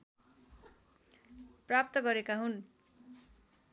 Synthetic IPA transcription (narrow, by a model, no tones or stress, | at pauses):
prap̚t̪ʌɡʌɾekaɦun